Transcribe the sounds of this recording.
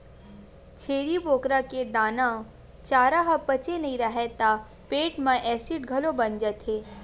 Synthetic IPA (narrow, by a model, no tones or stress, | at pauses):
t͡ʃʰeːɾiboːkɾaked̪aːnã | t͡ʃaːɾaɦəpɐt͡ʃenɐɦĩɾɐɦet̪a | peːʈmãʔɛːsiʈɡʱɐlobɐnd͡ʒət̪ɦeː